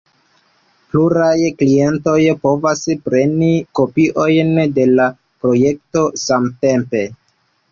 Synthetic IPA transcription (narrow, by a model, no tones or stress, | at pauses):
pluɾajklie̞nto̞jpo̞vaspɾe̞niko̞piʔo̞jnde̞la | pɾo̞je̞k̚to̞samte̞mpe̞